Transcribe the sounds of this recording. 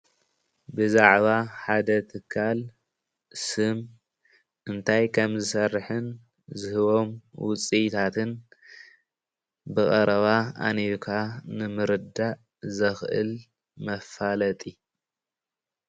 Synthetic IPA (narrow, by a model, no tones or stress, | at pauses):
bɨzaʕβaħad̪ɐt̪ʰɨkʰːal | sɨm | ʔɨnt̪ʰajkʰɐmzɨsɐrħɨn | zɨhɨβo̞mwʊt͡sʼit̪ʰat̪ʰɨn | bɨɣʼɐɾɐβaa̰neɾkʰanɨmɨɾɨd̪aʔ | zɐxʔɨ̰l | mɐfalɐt̪ʼi